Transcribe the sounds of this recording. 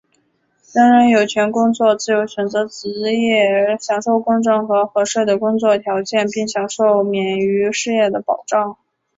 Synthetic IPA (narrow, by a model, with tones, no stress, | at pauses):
ʈ͡ʂa˥nɻə˧˥njo˨˩ʊt͡ɕʰɥɛ˧˥nkʊ˥ŋt͡swɔ˥˧t͡sɹ̩˥˩jo˧˥ʊɕɥɛ˨˩nt͡sɤ˧˥t͡sɹ̩˧˥jɛ˥˩˥ɕjɑ˨˩ŋʂo˥˩ʊkʊ˥ŋʈ͡ʂɤ˥˩ŋxɤ˧˥xɤ˧˥ʂwe˥˩ɪd̪ə˩kʊ˥ŋt͡swɔ˥˩t̪ʰjɑ˧˥ʊt͡ɕjɛ˥˧npi˥˩ŋɕjɑ˨˩ŋʂo˥˩ʊmjɛ˨˩ny˧˥ʂɻ̩˥˧jɛ˥˩d̪ə˩pɑ˨˩ʊʈ͡ʂɑ˥˩ŋ